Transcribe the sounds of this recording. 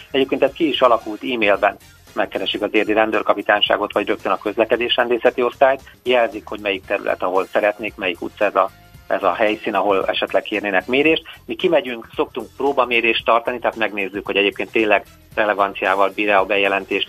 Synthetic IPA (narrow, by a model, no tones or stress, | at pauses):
ɛɟeːpkeːnt̪ɛst̪kiiʃɒlɒkult̪iːmeːlbɛn | mɛkːɛɾɛʃikɒzeːrd̪iɾɛnd̪øːrkɒpit̪aːnʃa̰ːɡo̞t̪ʋɒɟrøk̚t̪ønɒkø̞zlɛkɛd̪eːʃɾɛnd̪eːsɛt̪io̞st̪aːjt̪jɛlzikho̞ɟmɛjik̚t̪ɛɾy̰lɛ̰t̪ɒɦo̞lsɛɾɛt̪neːkmɛjikṵt̪sɒɛzɒ | ɛzɒɦɛjsiːnɒɦo̞lɛʃɛt̪lɛkeːrneːnɛkmeːɾeːʃt̪mikimɛɟyŋkso̞k̚t̪uŋk̚proːbɒmeːɾeːʃt̪ːɒrt̪ɒnit̪ɛɦaːt̪mɛɡneːzːykhoɟɛɟeːp̚keːnt̪ːeːnlɛɡ | rɛlɛvɒnt̪sijaːvɒlbiːɾɛɒbɛjɛlɛnt̪eːʃt̪